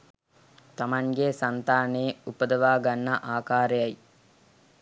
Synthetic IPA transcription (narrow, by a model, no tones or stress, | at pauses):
t̪amaŋɡesant̪aːneːupəd̪ɐʋaːɡanːɐʔaːkaːɾejɐj